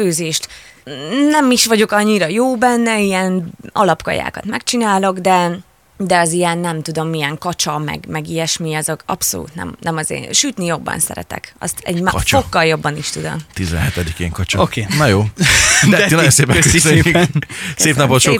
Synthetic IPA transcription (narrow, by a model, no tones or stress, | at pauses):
øːzeːʃt̪ | nɛmiʃʋɒɟo̞kɒɲːiɾɒjoːbɛnːɛijɛnɒ̰lɒpkɒ̰ja̰ːkɒt̪mɛkt͡ʃinaːlo̞ɡd̪ɛ | d̪ɛɒzijɛnːɛmt̪ud̪o̞mːijɛŋkɒt͡ʃɒmɛ̰ɡmɛɡijɛʃmiɒzokɒ̰pso̞̰lṵːt̪nɛ̰mnɛmɒzḛːʃyt̪nijo̞bːɒ̰nsɛ̰ɾɛ̰t̪ɛ̰kɒ̰st̪ɛ̰ɟmt͡ʃokːɒljo̞bːɒniʃt̪ud̪o̰mt̪izɛ̰nɦɛt̪ɛd̪ikḛːŋkɒt͡ʃookenɒjoː | nɒjonseːpɛks | seːpnɒpot̪ʃo